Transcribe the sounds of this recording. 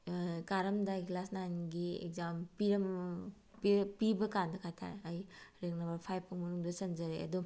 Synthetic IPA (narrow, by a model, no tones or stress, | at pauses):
kaɾɐmdaklasnajnɡiḛk̚zampiɾɐm | pipibɐkandɐkʰajtʰa̰ɾɐjɾeŋnɐmbɐɾpʰajpʰːuŋmɐnuŋdɐsɐnzɐɾeɐ̰du